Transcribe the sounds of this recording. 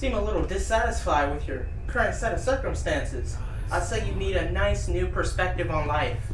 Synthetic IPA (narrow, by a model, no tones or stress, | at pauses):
sĩməlɪɾl̩ˠdɨsæɾɨsfaɪwɨðjə˞ | kʰɜ˞ɨ̃ntsɛɾɨv̥sɜ˞kɨ̃mstæ̃nsɪz̥ | ʔaɪlˠseɪjɨniɾɨnaɪsnʉpʰə˞spɛk̚tɨvn̩laɪf